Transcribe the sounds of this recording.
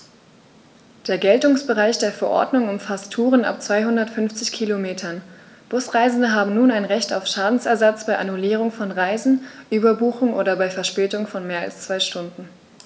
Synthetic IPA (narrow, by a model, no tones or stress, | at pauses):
d̥eːɐɡɛltʊŋsb̥əʁaɪçd̥eːɐfɛɐʔɔ̰ɐdnʊŋʊmfastʰːuːʁəna̰p̚t͡sv̥aɪɦʊndɐtfʏnft͡sɪçkʰilomeːtʰɐn | b̥ʊsʁ̥aɪzn̩dəɦaːbm̩nuːnaɪnʁɛçta̰ʊfʃaːdn̩sɛɐzat͡sb̥aɪʔanuliːʁ̞ʊŋfɔnʁaɪzn̩ʔyːbɐbuːxʊŋʔo̰ːdɐbaɪfɛɐʃpɛːtʊŋfɔnmeːɐa̰lst͡sv̥aɪʃtʊndn̩